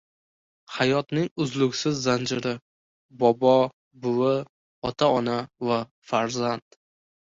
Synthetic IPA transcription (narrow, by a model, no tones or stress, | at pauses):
hajɒt̪nɪŋʊzlʊkʲsɪzːand͡ʒɪɾɪ | bɒbɒ | bʊwɪ | ɒt̪ʰaɒnava | faɾzand̪̥